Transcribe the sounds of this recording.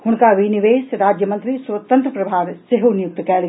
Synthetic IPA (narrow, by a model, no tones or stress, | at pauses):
hʊnkaʋiniʋeːsɾaːd͡ʒjəmɐ̃nt̪ɾiswət̪ə̃nt̪ɾəpɾɐbʱaːɾseɦonjʊk̚t̪kɛːl